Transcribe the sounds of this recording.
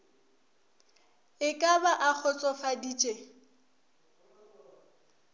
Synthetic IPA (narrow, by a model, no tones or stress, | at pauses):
ɪkʼabaʔak͡xʰɔt͡sʼɔfadiːt͡ʃʼe